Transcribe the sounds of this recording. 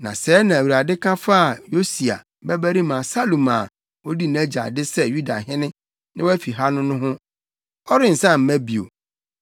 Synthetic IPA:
nã̰˨sɛː˨˦nã˨æ˨wu˨ɾa˨dɪ˦kʰã˦fa˦˨jo˦si˨a̰˨ | bɛ˦bæ˦ɾi˦mã˨sa˦lo˨mã˨ | o˦di˦næ̃˦d͡ʑa̰˨dɪ˦sɛ˦ju˦da˨ɦɪ̃˦nɪ̃˦ | nɪ̃˦wæ˦fi˨ɦa˦nʊ̃˦nʊ̃˦ɦʊ̃˦ | ɔ˦ɾɪ˦n̩˨sã˦˨m̩˦mæ̃˦bi˨o̰˨

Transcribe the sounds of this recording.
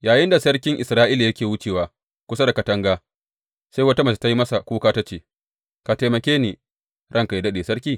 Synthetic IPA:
jaː˨jɪ˦nda˨sɐ˦ɽkʲɪ˦ŋʔɪ˨sɾaː˦ʔiː˦la˨jɐ˦kʲeː˨wʊ˦t͡ʃeː˨waː˨ | kʷʊ˦sɐ˦da˨kɐ˨tɐ˦ŋɡaː˦ | sa˦jwɐ˦ta˦mɐ˨si˨ta˦ji˦mɐ˦sa˨kʷuː˦kaː˦ta˦t͡ʃeː˨ | ka˨te˨mɐ˨kʲeː˦niː˨ | ɽʔɐ˦ŋka˨ji˨dɐ˦ɗeː˨sɐ˦ɽkʲiː˦˨

